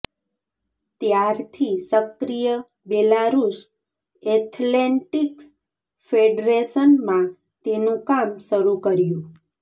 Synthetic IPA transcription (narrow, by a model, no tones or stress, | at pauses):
t̪jaɾt̪ʰisəkɾijə | belaɾus | et̪ʰleɳʈiks | fʰeɖɾeʃənmã | t̪enũkamʃəɾukəɾjũ